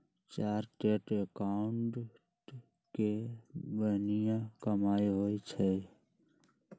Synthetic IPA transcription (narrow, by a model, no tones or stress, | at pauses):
t͡ʃaːɾʈeʈekaʊɳʈ | ʈ | kebənijãkəmaːiɦoːit͡ʃʰɛ